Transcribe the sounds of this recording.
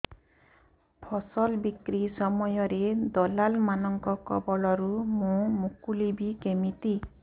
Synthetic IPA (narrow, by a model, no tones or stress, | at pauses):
pʰɔsɔlbikɾisɔmɔjɔɾed̪ɔlalmanɔŋkɔkɔ̰bɔlɔɾumũmukulibikemit̪i